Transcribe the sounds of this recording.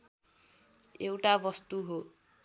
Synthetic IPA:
ewʈabʌst̪uɦo

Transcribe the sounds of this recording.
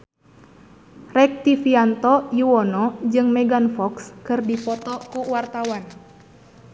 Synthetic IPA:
rɛk̚t̪ifiant̪ɔjuwɔnɔd͡ʒɨŋmɛɡanfɔkskɨrdipɔt̪ɔkuwart̪awan

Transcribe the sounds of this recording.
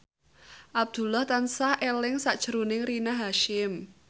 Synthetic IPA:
ʔab̚d̪̥ṳlaht̪ansahʔelɪŋsaʔd̥ʒ̥əɾunɪŋrinaɦaʃɪm

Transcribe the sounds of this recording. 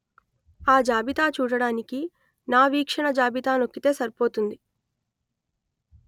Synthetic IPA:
aːd͡ʒaːbit̪aːt͡ʃuːɽɐɽaːniki | naːʋiːkʂɐɳɐd͡ʒaːbit̪aːnokːit̪e̞ːsɐɾpo̞ːt̪und̪i

